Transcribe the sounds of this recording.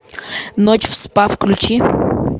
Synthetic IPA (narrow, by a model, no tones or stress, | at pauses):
not͡ɕfspafklʲʊt͡ɕi